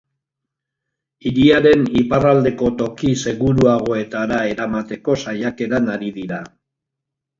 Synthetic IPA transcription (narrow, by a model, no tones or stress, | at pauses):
iɾiaɾe̞niparald̪e̞ko̞t̪o̞kise̞ɣuɾuaɣ̞o̞e̞t̪aɾae̞ɾamat̪e̞ko̞sajake̞ɾanaɾiðiɾa